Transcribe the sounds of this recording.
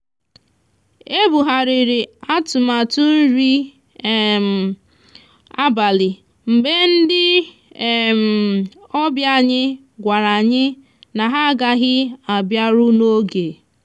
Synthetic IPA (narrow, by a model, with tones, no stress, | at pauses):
e˦bu˨ɦa˨ɾɪ˨ɾɪ˨a˦tʊ˨ma˨tʊ˦n̩˦ɾi˦˨ | m̩˨ | a˦ba˨lɪ˨ | m̩˨be˦n̩˦dɪ˦˨ | m̩˨ɔ˦bja˦˨ɲɪ˦ | ɡʷa˨ɾa˨ɲɪ˦ | na˨ɦa˦ɡa˨ɣɪ˦a˨bja˦ɾʊ˦no˦ɡe˨